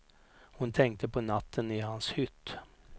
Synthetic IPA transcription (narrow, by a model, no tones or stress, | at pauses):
hʊnt̪ʰɛŋk̚t̪əpʰoːnɑt̪ʰəniːhɑnshʏt̪